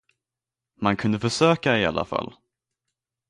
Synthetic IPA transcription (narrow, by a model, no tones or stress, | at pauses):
mankʰɵnd̪əfœʂøːkaɪa̰lːa̰fa̰lː